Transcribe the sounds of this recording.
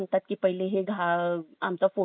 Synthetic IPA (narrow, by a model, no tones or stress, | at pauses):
ɳt̪at̪̚kiːpəɦileɦeɡʱaamt͡safo